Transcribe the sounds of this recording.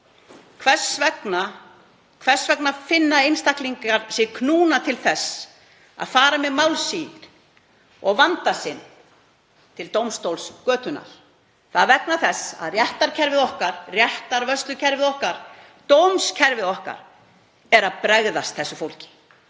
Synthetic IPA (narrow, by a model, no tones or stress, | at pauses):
kʰvɛ̥svɛkna | kʰvɛr̥svɛknafɪnːaejnst̪ahkliŋkaɾ̥sɪkʰnuːnat̪ʰɪlθɛsː | a̰ðfaːɾamɛðmawlsiːðɪɾ̥ | ɔɣvant̪asɪn | t̪ʰɪlt̪owmst̪owlskœːt̪ʏna̰l | θaðvɛknaθɛsːa̰ðrjɛht̪aɾcʰɛɾvɪðɔhkaɾ̥rjɛht̪aɾvœst̪lʏcʰɛɾvɪðɔhkaɾ̥ | t̪owmscʰɛɾvɪðɔhka̰ɾ | ɛɾaðpɾɛɣðast̪̚θɛsːʏfowlcɪ̥